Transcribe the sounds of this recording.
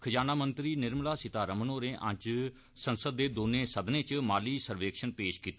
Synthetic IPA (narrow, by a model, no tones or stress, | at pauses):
kʰəd͡ʒaːnaːmənt̪ɾiːnɪɾmlaːsɪt̪aːɾəmənoːɾẽːʔã̰t͡ʃ | sənsəd̪ːeːd̪oːnẽːsəd̪nẽːt͡ʃmaːliːsəɾʋeːkʃənpeːʃkiːt̪e